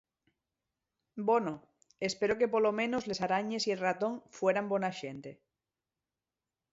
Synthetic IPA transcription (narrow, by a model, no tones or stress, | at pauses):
bono | espeɾokepolomẽ̞nozle̞saɾaɲe̞sielrat̪õ̞ŋfweɾambonaʃent̪e